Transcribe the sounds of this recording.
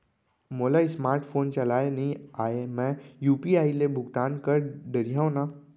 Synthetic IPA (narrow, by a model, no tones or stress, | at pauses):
moːlaɪsmaːɾʈfʰoːnt͡ʃɐlaːenɐɦĩaːemɛ̃juːpiaːilebʱʊɡt̪aːnkɐɾɖɐɾijaõnaː